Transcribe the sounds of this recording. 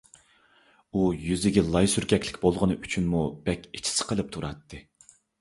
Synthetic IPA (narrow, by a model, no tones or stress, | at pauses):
ujyzɪɡʲɛlˠɑjsyɾɡʲɛkʲʰlɪkʲbolˠʁənɨʔyt͡ʃʰynmub̥ɛkʲi̥t͡ʃʰi̥sɨ̥qʰəlˠɨp̚t̪ʰuɾɑt̪ʰːɨ